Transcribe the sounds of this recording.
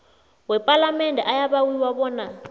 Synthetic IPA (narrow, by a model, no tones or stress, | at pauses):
wɛpʼalamɛndʱɛʔajaβawiwaβɔːna